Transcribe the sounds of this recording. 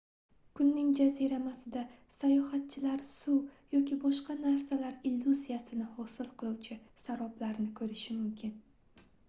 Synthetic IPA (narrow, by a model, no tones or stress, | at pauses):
kʰʊnːɪŋd͡ʒaziɾamasɪd̪a | sajɒhat̪̚t͡ʃʰɪlaɾsujɒkʲʰɪbɒʃqɑnaɾsalaɾilːuzijasɪnɪhɒsɪlˠqʰɨlˠuwt͡ʃʰɪsaɾɒblaɾnɪkʰɵɾɪʃɪmʊmkʲʰɪn